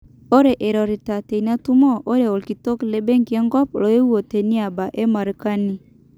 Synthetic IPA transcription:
o˦ɾe˨ʔe˨ɾɔ˨ɾe˨ta˨te˨i˨na˦tu˦mɔ˦ʔo˦ɾe˨o˨lki˨to˦kle˨˦be˦ŋɡi˨e˦ŋɡɔ˦plo˨je˦u˦o˨te˨ni˦a˨ba˨ʔe˦ma˨ɾi˦ka˦ni˦

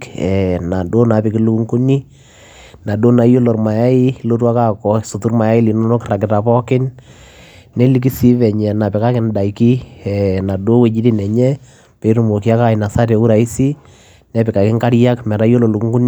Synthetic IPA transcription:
ɛ˨na˨do˦na˨pɪ˨kɪ˦lu˦ku˦ŋku˦ni˦ | na˨do˦na˨jo˦lo˨rma˨ja˦ɪ˦lo˦ɾwa˦ka˦kɔ˨so˨tu˦rma˨ja˦ɪ˦li˨no˦no˦kra˨kɪ˨ta˨pɔ˦kɪ˦nː | e˦li˦k̬i˦si˦βɛ˨ɲɛ˨na˨pɪ˨ka˦kɪ˦nda˨i˨ki˦ɛ˨na˨do˦we˨d͡ʒi˦di˦nɛ˨ɲɛ˦ | pe˨˦ɾʊ˨mo˨ki˦a˦ka˦ɪ˨na˨sa˦tɛ˨ku˦ɾa˨i˦si˦ | nɛ˨˦pɪ˨ka˨kɪ˦ŋka˦ɾja˦kmɛ˨ɾa˦jo˦lo˨lu˨ku˦ŋɡu˦n˦

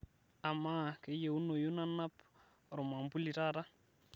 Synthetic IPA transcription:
a˨ma˦ke˨˦je˨u˦no˨jo˦na˦na˦p | ɾɔ˨ma˨mbu˦li˨ɾa˦ɾa˦

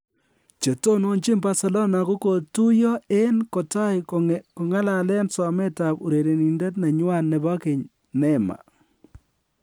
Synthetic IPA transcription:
t͡ʃe˨to˦no˦nt͡ʃɪ˦mba˦se˨lo˦na˨ku˦ko˨tu˦jɔ˦e˦nko˨ta˦jko˨ŋa˦la˨lɛ˦nsɔ˨me˦ta˨pu˨ɾe˨ɾe˨ni˨nde˦tna˨ɲwa˦˨nːɛ˨ba˦kɪ˨ɲ | nɛ˦ma̰˨

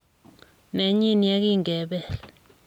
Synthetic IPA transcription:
ne˨ɲi˦ni˨je˦k̬i˦ŋɡʱɛ˨ɓɛːlɛ

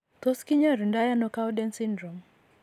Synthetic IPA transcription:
t̪o˦ski˦ɲa˦ɾi˨nda˦ja˦nɔka˦wdɛ˦nsi˦ndɾo˨m

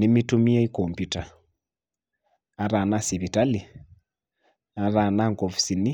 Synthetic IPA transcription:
ni˦mi˦tu˦mi˦a˦i˦kɔmpjuta˨ | a˨ɾa˨na˦si˨βi˨ta˦li˨ | a˨ɾa˨na˦ŋɡɔ˨fi̥si˨ni˦

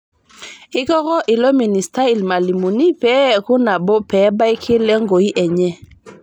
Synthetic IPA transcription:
i˦kɔ˦ɣɔ˦ʔi˨lɔ˦mi˨ni˨sta˦i˨lma˨li˨mu˨ni˦pɛ˨˦˨ku˦na˨bɔ˦pɛ˨˦ba˦i˦kʰi˦lɛ˦ŋɡo˨i˦ʔɛ˨ɲɛ˦

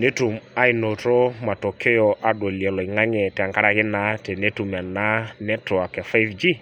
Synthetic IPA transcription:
ne˦tu˨ma˦i˨no˨to˦ma˨to˨kʰe˦jɔ˨ʔa˨do˨li˨ɛ˨lɔ˨i˨ŋa˦ŋɛ˨tɛ˨a˨ŋka˦ɾa˨kɪ˦na˦te˨ne˦tu˨ma˨na˦nɛ˦to˨a˨kɛ˨fa˦jvd͡ʒi˦

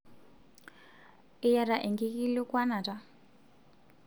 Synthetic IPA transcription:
ɪ˦ja˨ɾa˨ʔɛ˨ŋɡi˦ki˦li˦kwa˦na˨tʼa˦

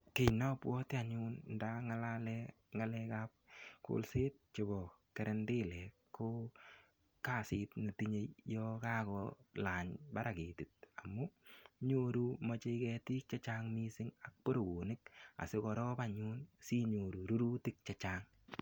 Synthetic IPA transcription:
ke˦jnɔ˦pwɔ˦tɪ˦a˨ɲu˦nnda˦ŋa˦lalɛ | ŋa˦lɛ˦ka˦p̚kʊ̰˦lseː˦t̚t͡ʃe˨bɔ˨ | kɛ˨ɾɛ˦ndɪ˦lɛ˨ | kːo˦ | ka˦˨sɪ˨tni˨ti˦ɲe˦jjɔ˦ka˦kɔla˨ɲba˦ɾa˨ke˨ti˨t̚a˨mu˦ɲo˦ɾu˦ma˨˧t͡ʃe˦kɛ˧ti˦k̚t͡ʃa˦t͡ʃaŋmi˦sɪ˦ŋa˨k̚po˦ɾo˨ɡu˨nɪ˦ka̰˨sɪ˦kɔ˨ɾɔ˦ba˨ɲu˦nsi˦ɲo˨ɾu˨ɾu˦ɾu˦tɪ˦k̚t͡ʃat͡ʃaŋ

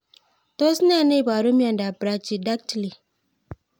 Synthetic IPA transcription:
to˦si˦na˦˨ne˦˨ba˨ɾu˦m˦a˨nda˨bɾa˦t͡ʃi˨da˦k̚tli˨

